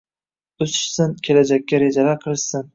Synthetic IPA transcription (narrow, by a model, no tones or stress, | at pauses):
ʊsɪ̥ʃsɪnkʲʰe̞lad͡ʒakʲːaɾed͡ʒalaqʰɨlˠɪʃsɪn